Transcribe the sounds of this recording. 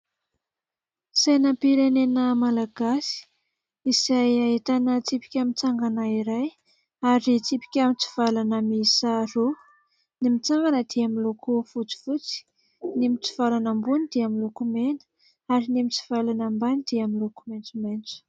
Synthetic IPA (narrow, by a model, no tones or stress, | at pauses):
sajnapiɾenenəmalaɡasi̥ | izajaet̪anət͡sipi̥kʲamit͡saŋɡanaiɾaj | aɾit͡sipi̥kʲamit͡si̥v̥alanəmisaɾo | nimit͡saŋɡanəd̪̥eamilokʰofut͡si̥vut͡si̥ | nemit͡si̥v̥alanambunid̪̥eamilokumenə̥ | aɾinemit͡si̥v̥alanambanid̪̥eamilokument͡sumant͡su̥